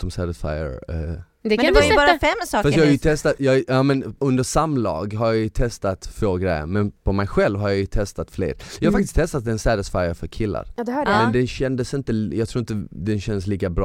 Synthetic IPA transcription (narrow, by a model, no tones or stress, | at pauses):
ɔmsæd̪əsfa̰jə̰ɾɛ | d̪ɛbɑːɾafɛmsɑfastjɑhaɾjət̪ʰɛst̪at̪jɑjɑːmɛnɵnd̪əʂamlɑ̰ːɡɦaɾjɑjɵt̪ʰɛst̪at̪foːɡɾɛjːə̰ɾmɛnpʰɔmɛjɧɛlvɦaɾjajɵt̪ʰɛst̪at̪flḛːɾjɑhafakt̪ɪst̪ʰːɛst̪at̪ɛnsæd̪əsfajəɾfœɾkʰɪlːa̰ɾd̪mmɛnnd̪ɛnɕɛnd̪əsɪnt̪əjɑːɡt̪ʰɾuːɪnt̪əd̪ɛnɕɛnd̪əsliːkabɾɑː